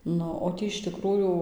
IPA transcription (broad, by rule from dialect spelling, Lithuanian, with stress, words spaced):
ˈnʊ oː ˈtʲiː ɪʃ ˈtʲɪkruːjuː